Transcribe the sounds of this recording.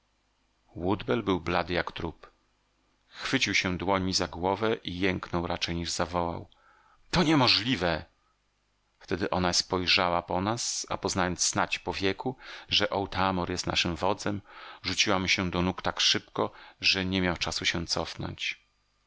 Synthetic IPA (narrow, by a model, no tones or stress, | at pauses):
wud̪bɛlbɘwblad̪ɘjakt̪ɾup | xfɘt͡ɕiwɕɛ̃d̪wɔɲizaɡwɔvɛʔijɛŋknɔwɾat͡ʂɛjɲiʐzavɔwa̰w | t̪ɔɲɛmɔʐlʲivɛ | ft̪ɛd̪ɘʔɔnaspɔjʐawapɔnasa̰pɔznajɔnt̪sːnat͡ɕpɔvʲjɛkuʐɛʔɔwt̪amɔɾjɛst̪na̰ʂɘmvɔd̪zɛmʐut͡ɕiwamɕɛd̪ɔnukt̪akʂɘpkɔʐɛɲɛmʲjawt͡ʂasuɕɛ̃t̪sɔfnɔ̰ɲt͡ɕ